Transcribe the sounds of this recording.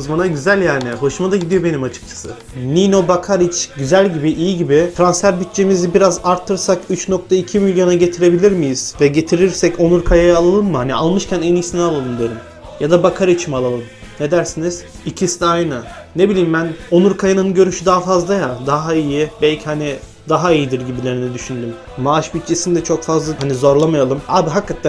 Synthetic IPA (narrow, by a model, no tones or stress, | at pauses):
ɯzmanaɟyzælʲjaːɾnɪɦo̞ʃumad̪aɟid̪ijo̞be̞nimat͡ʃʰɯ̥k̚t͡ʃʰḁsɯ̰ | nino̞bakʰaɾit͡ʃɟyzælʲɟibiʔijiɟibit̪ɾansfæɾbit̪t͡ʃʰemizibiɾazaɾt̪ʰːɯɾsakyt͡ʃno̞k̚t̪ʰaicʰimilʲjo̞naɟe̞t̪ʰiɾe̞bilʲiɾmijiz̥vɛɟe̞t̪ʰiɾiɾsɛco̞nuɾkʰajajaːlˠalˠɯnmɯhania̰lˠmɯʃcʰænɛnijsinalˠolˠund̪eɾim | jad̪abakʰaɾɯit͡ʃʰimalˠalˠɯm | ne̞d̪æɾsiniz̥icʰist̪ajnane̞bilʲiːmbæno̞nuɾkʰajananɯɟø̞ɾyʃyd̪aɦafazlˠajad̪aɦaijibɛlʲcʰihani | d̪aɦaijid̪iɾɟibilʲe̞ɾinɛd̪yʃynd̪ymː | aaʃbit̪̚t͡ʃʰe̞sind̪ɛt͡ʃʰo̞kfazlˠaɦanizo̞ɾlˠamajalˠɯmaːbiɦakːat̪ʰːæ